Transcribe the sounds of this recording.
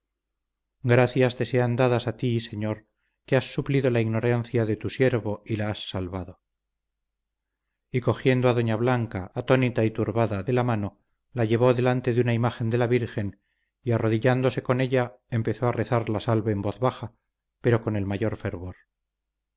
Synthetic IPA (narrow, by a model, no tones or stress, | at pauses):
ɡɾaθjast̪e̞se̞and̪aðasat̪ise̞ɲo̞ɾ | keasːupliðo̞laiɣno̞ɾanθjaðe̞t̪usje̞ɾβo̞ilaasːalβaðo | iko̞xje̞nd̪oaðo̞ɲaβlaŋkaːt̪o̞nit̪ait̪uɾβaðaðelamano̞ | laʝe̞β̞o̞ðe̞lant̪e̞ðeunaimaxe̞nd̪e̞laβiɾxe̞n | iaro̞ðiʎand̪o̞se̞ko̞ne̞ʎa | empe̞θo̞are̞θaɾlasalβaembo̞θβaxa | pe̞ɾo̞ko̞ne̞lmaʝo̞ɾfe̞ɾβo̞ɾ